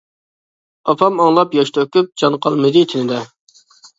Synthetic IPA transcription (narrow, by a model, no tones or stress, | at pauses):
ɑpʰɑmɑŋlˠɑpjɑʃt̪ʰøkʲyp̚d͡ʒɑnqʰɑlˠmɨd̪ɪt̪ʰɪnɪd̪ɛ